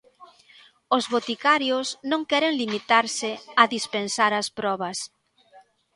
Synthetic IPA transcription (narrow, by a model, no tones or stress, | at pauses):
ʊzβot̪ikaɾjʊsnõŋkɛɾeŋlimit̪aɾsɪɐðispensaɾɐspɾɔβ̞ɐs